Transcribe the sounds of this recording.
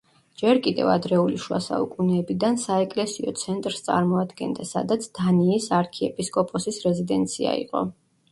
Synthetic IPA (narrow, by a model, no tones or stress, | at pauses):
d͡ʒɛɾkʼid̪ɛ̰va̰d̪ɾɛuliʃwa̰sa̰ṵkʼunɛːbid̪ansaɛkʼlɛsiɔt̪sʰɛnt̪ʼɾst̪sʼa̰ɾmɔad̪ɡɛnd̪asa̰d̪at̪sʰd̪̥aniːsaɾkʰiɛpʼiskʼɔpʼɔsisɾɛzid̪ɛnt̪sʰia̰ḭqʼɔ̰